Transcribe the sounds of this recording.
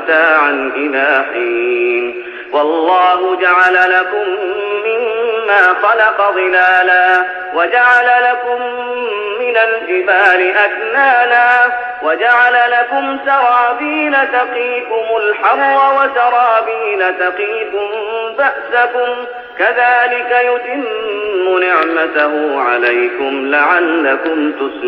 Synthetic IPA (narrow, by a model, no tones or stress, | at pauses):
t̪aːʕanʔɪnaːħiːn | wɑlˤːɑːhʊd͡ʒaʕalalakʊmːɪmːaːxɑlɑqɑðˤɨlaːlaː | wad͡ʒaʕalalakʊmː | ɪnald͡ʒɪbaːlɪʔatnaːlaː | wad͡ʒaʕalalakʊmsɑɾˤɑːbiːnat̪ɑqiːkʊmʊlħawːawasɑɾˤɑːbiːnat̪ɑqiːfʊmbaʔsakʊm | kaðaːlɪkajʊt̪ɪmːʊnɪʕmat̪aɦʊʕa̰lajkʊmlaʕalːakʊmt̪ʊs